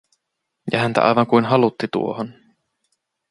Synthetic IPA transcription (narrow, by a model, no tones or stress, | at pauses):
jɑ̰ɦænt̪æ̰ʔɑ̰jʋɑŋkujnɦɑlut̪ːit̪ṵo̞̰hon